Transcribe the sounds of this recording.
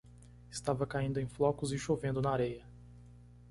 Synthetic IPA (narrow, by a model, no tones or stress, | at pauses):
ɪst̪avɐkaĩnd̪ʊẽj̃flɔkʊzɪʃovẽnd̪ʊnaaɾejɐ